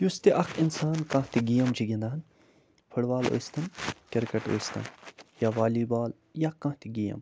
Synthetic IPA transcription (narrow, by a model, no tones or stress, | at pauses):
just̪iʔɐkʰinsaːnkãːht̪iɡijɐmd͡ʒʰiɡʲind̪aːn | pʰɐɽʋaːlo̰ːjst̪ɐnkʲɐɾkɐʈo̰ːst̪ɐ̰njaʋaːliːbaːl | jaːkãːht̪iɡiːjɐ̰m